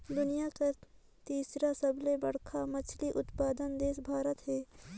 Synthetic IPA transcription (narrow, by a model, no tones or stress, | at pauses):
d̪ʊnijaka | t̪iːsɾasɐblebɐɽ̤kʰamɐt͡ʃʰliʔʊt̪paːd̪ənd̪eːsbʱaːɾət̪ɦɛː